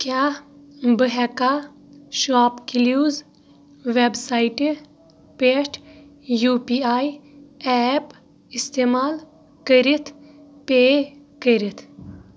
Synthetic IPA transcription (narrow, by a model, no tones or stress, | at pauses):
kja | bəɦɛka | ʃaːpkiljuːz | ʋebsaːiʈi | peʂʈ | juːpiaːjɛp | ist̪emaːl | kəɾit̪ʰ | pe | kəɾit̪ʰ